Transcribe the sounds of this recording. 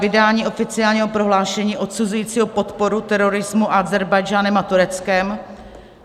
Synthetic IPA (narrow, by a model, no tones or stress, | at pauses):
vɪdaːɲiːʔo̞fɪt͡sɪaːlɲiːɦo̞pɾo̞ɦlaːʃɛɲiːʔo̞t̪suzujiːt͡siːɦo̞po̞t̪po̞ɾut̪ɛɾo̞ɾɪzmuʔaazɛɾbajd͡ʒaːnɛmat̪uɾɛt͡skɛm